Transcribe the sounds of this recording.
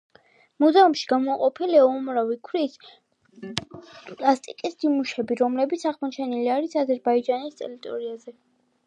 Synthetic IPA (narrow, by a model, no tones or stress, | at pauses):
muzɛumʃi̥ɡ̥amɔaqʼɔpʰilɛɔmɾavikʰwɾis | pʼlast̪ʼikʼisd̪̥imuʃɛbiɾɔmlɛbit̪sʰaʁmɔt͡ʃʰɛniliaɾisazɛɾbaid͡ʒanist̪ʼɛ̰ɾit̪ʼɔ̰ɾiazɛ